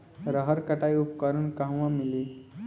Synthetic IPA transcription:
ɾəɦəɾkəʈajupkaɾunkaɦʋãmili

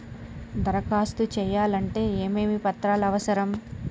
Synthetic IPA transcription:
d̪ɐɾɐkaːst̪ut͡ʃɛːjaːlɐɳʈe̞ːeːmeːmipɐt̪ɾaːlɐʋɐsɐɾɐm

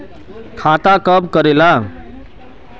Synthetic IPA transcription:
kʰat̪akʌbkəɾela

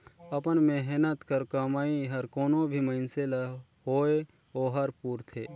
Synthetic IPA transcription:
əpənmeɦnət̪kəɾkəmaːiɦəɾkoːnõbʱiməɪnselə | ɦoːe | oːɦəɾpuːɾt̪ʰeː

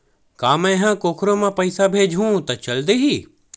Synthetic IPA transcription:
kaːmɛ̃ɦãːkoːkʰɾõmãpɐɪsabʱeːd͡ʒʱɦũt̪ɐt͡ʃɐld̪eɦiː

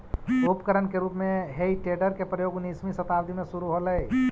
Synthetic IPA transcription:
upkəɾənkeɾupmẽɦeiʈeɖəɾkepɾəjoːɡnismisət̪awd̪ʱimẽsuɾuɦoləj

